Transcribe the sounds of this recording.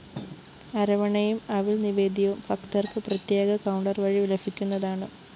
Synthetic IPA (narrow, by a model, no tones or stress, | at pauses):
ɐɾɐʋɐɳɐjumɐʋilniʋe̞ːd̪iʋumfɐktɐrkɨprɐt̪je̞ːɡɐkɐwɳɖɐrʋɐɻiʋilɐfʰikʲːunːɐðaːɳɨ